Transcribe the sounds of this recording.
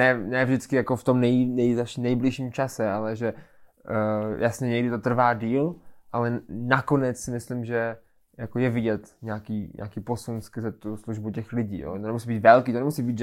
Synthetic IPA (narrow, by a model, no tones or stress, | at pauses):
nɛnɛvʒdɪt͡skɪjakoft̪o̞mnɛjnɛjzaʃnɛjblɪʃiːmt͡ʃasɛalɛʒɛ | jʔasɲɛɲɛɡdɪt̪o̞t̪r̩vaːdiːlʔalɛnako̞nɛt͡ssɪmɪslɪmʒɛ | jakojɛvɪɟɛt̪ɲaːkiːɲʔa̰ːkiːpo̞sunskzɛt̪usluʒbucɛxlɪɟḭːjo̰t̪onɛmusibiːt̪vɛlkiːt̪onɛmusiːbiːt̪ʒ